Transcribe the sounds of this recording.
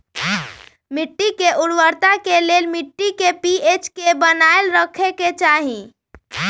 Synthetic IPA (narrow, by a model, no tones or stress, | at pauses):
miʈːikeʔulʋəɾt̪akelelmiʈːikepiet͡ʃkebənaelɾəkʰeket͡ʃaɦĩ